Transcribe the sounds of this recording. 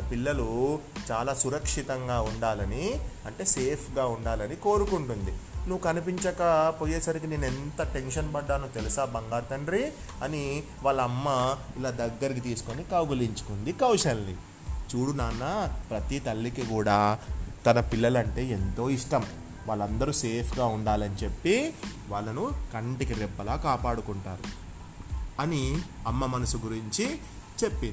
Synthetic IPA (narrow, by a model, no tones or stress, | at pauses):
nɐpilːɐlut͡ʃaːlaːsuɾɐkʂit̪ɐŋɡaːuɳɖaːlɐniɐɳʈe̞ːse̞ːpʰɡaːuɳɖaːlɐniko̞ːɾukuɳʈund̪inuʋːkɐnipiɲt͡ʃɐkɐpoːjeːsaːnik̬ine̞ːnent̪ɐʈe̞nʂɐnpɐɖːaːnut̪elusaːbɐŋɡaːɾt̪ɐnɾi | ɐni | ʋaːɭɐmːɐ | ilaːd̪ɐɡːɐɾik̬it̪̬iːsu̥konikɐwɡɐliɲt͡ʃu̥kund̪ikɐwʂɐlːḭ | t͡ʃuːɽunaːnːapɾɐt̪it̪ɐlːikikuːɽaːt̪ɐnɐpilːɐlɐɳʈe̞ːent̪o̞ːiʂʈɐm | ʋaːɭːɐnd̪ɐɾuse̞ːpʰɡaːuɳɖaːlɐnit͡ʃe̞pːiʋaːɭːɐnukɐɳʈikiɾɛbːɐlaːkaːpaːɽukuɳʈaːɾu | ɐniɐmːɐmɐnɐsuɡuɾiɲt͡ʃi | t͡ʃe̞pːini